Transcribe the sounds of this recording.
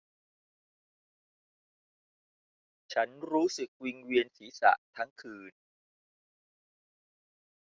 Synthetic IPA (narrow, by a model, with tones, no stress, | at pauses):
t͡ɕʰa˦˥nɾuː˦˥sɯ˨˩k̚wi˧ŋwi˧ənsiː˩˦sa̰˨˩ʔt̪ʰa˦˥ŋkʰɯː˧n